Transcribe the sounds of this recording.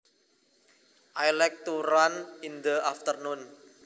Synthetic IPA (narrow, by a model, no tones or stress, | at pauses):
ʔajlɛk̚t̪uɾanind̪əaft̪ərnʊn